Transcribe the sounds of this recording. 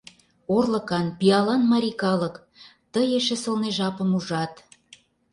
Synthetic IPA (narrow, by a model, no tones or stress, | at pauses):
orlɤ̆kɑnpiɑlɑnmɑɾʲikɑlɤk | t̪əjeʃĕsə̆lneʒɑpə̆muʒɑt̪